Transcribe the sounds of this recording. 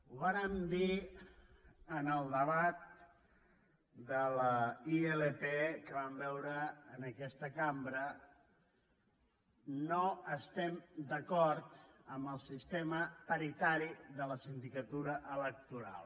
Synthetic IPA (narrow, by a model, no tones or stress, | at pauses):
uβaɾəmd̪i | ənəlˠd̪əβat̪̚ | d̪ələieləpekəβambɛwɾəːnəkɛst̪əkambɾə | noəst̪ɛmd̪əkɔɾt̪əmbəlˠsist̪eməpəɾit̪aɾiðələsind̪ikət̪uɾəʔələk̚t̪uɾa̰lˠ